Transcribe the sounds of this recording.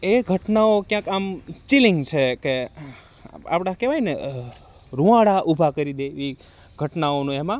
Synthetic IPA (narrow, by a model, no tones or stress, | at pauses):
eɡʱəʈnaokjãkamt͡ʃiliŋɡt͡ʃʰeke | a̰pɽ̃ãkeʋajne | ɾũʋãɽaʔubʱakəɾid̪eʋi | ɡʱəʈnaonũemã